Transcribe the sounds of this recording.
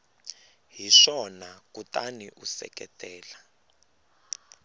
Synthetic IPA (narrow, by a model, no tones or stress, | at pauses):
ɦiʂɔnakutaniʔusɛ̰kʼɛtʼɛːla